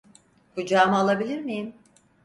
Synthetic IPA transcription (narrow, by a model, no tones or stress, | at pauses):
kʰud͡ʒaːmaalˠabilʲiɾmijim